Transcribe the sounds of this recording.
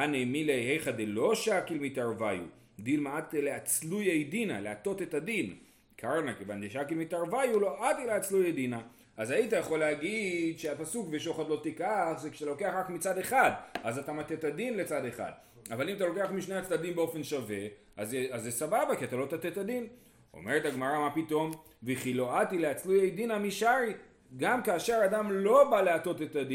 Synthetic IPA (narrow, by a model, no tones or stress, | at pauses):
anemilehejχad̪elo̞ʃakilmit̪aʁvajṵ | dilmeat̪leat͡slujejdina̰leat̪o̞t̪e̞tadin | kʰaʁnakevanzeʃakilmit̪aʁvajulo̞ʔatileat͡slujejd̪ina | ʔazait̬ajaχo̞leaɡidʃeapasukveʃo̞χad̪lo̞t̪ikaχzekʃe̥t̪alo̞ke̞aχʁakmit͡sad̪e̞χad̪azatamat̪et̪adinle̞t͡sad̪eχa̰d̪ | avalimat̪̬alo̞ke̞aχmiʃnejat͡slad̪imbeo̞fe̞nʃave̞ | azazːesababakiat̪alo̞t̪at̪et̪ad̪in | o̰meʁethaɡmaʁamapito̞m | veχilo̞at̪ileat͡slujejdinamiʃaʁi | ɡamkaːʃe̞ʁadamlo̞baleato̞tet̪adi